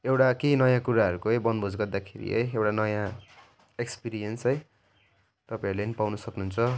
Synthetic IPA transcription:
ewʈakenʌjãkuɾaʌɾukoʌjbʌnd̪bʱod͡zɡʌrd̪akʰḛɾḭɦʌ̰jewʈanʌjã | ekspiɾijʌnsɦʌj | t̪ʌpãj̃ʌɾulenipawnʌsʌknuɦunt͡sʰʌ

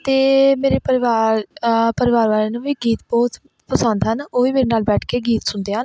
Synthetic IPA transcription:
t̪eːmeːɾeːpəɾɪʋaːɾpəɾɪʋaːɾʋaːleːnũːʋiːɡiːt̪bɔːt̪ | pəsə̃nd̪ɦənoːʋiːmeːɾeːnaːlbɛːʈʰkeːɡiːt̪sʊnd̪eːɦən

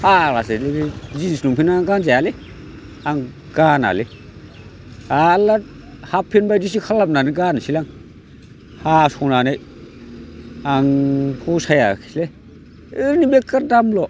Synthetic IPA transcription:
haɾaseleɾizisnumpʰinaɡanzajale | aŋ | ɡ̥ana̰le | alːa | hapʰːinbajdis̬ikʰalap̚naniɡansilaŋ | hasɔnanej | aŋpʰusajakʰi̥sle | ɯɾnibekːaɾdamlɔ

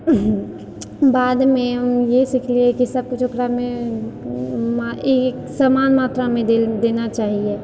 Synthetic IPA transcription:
baːd̪mẽɦmjesɪkʰliekisəb̚kʊt͡ʃʰokɾamẽ | maeksaːmaːnmaːt̪ɾamẽd̪eːnat͡ʃaːɦie

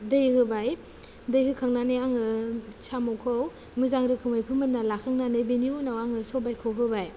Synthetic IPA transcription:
dɯjhɯbaj | dɯjhɯkʰaŋnanɯjaŋɯsamɔwkʰɔw | mɯzaŋɾɯkʰɯmajpʰɯmɯt̚nːalakʰaŋnanɯbeniunawaŋɯsɔbajkʰɔwɦɯbaj

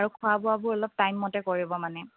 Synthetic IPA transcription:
aɹukʰʊabʊabʊɹɔlɔp̚tajmːɔtɛkoɹibɔmanɛ

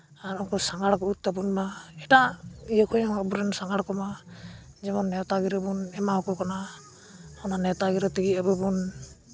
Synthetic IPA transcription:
aɾɔŋkɔsaŋaɽkɔut̪̚tabunmaɛtajɔkʰujaŋabuɾɛnsaŋɡaɽkɔma | zɛmɔnːɛt̪aɡiɾɔbunɛmahɔkɔkana | hɔnanɛt̪aɡiɾɔt̪iɡiəbɯbun

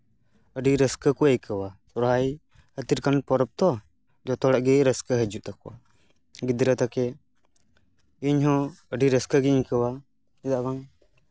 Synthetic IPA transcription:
əɖiɾəskəkuəjkəwasɔɾɦaj | hət̪iɾkanpɔɾɔp̚t̪ɔ | d͡ʒɔt̪ɔɽaʔɡɛɾəskəɦəd͡ʒuʔt̪akɔwa̰ | ɡid̪ɾət̪akɛ | iɲɦɔ̃əɖiɾəskəɡɛiɲkəwa | ɛd̪aʔbaŋ

